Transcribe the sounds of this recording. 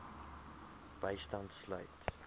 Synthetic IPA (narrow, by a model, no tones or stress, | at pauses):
b̥əjstɐntslœ̰ɥt